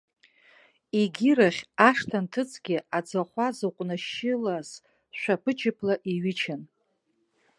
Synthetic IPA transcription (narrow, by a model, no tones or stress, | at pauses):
iɡʲiɾaχʲaʂtʰantʰɨt͡sʰʼɡʲɪad͡zaχʷazɨqʷʼnɨʃɪlaz̥ | ʃᶣʷapʰɨt͡ʃʰɪpʰlaʔiɥɪt͡ʃʰan